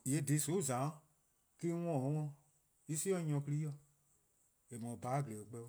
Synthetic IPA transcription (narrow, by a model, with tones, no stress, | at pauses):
e˨˦dĩ˨˦so˨˦˨zã˨˦ | ki˦wɔ̃˦˨˦wɔ̃˦˨ | i˦si˦ɔ̃˦ɲɔ̃˧˦kɨ˦li˦jɔ˧˨ | e˨mɔ̃˨baː˨˦˨ɡle˨o˨k͡pɛ˦